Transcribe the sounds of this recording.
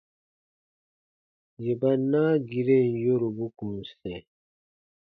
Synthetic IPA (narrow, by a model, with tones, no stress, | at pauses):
je˨ba˨naː˦ɡi˨ɾe˦˨njo˦ɾu˨bu˦ku˨m˨sɛ̃˨